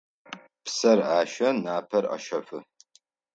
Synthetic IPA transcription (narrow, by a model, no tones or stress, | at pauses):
psɐraːʃɐnaːpʰɐrɐ̰ʃɐfɨ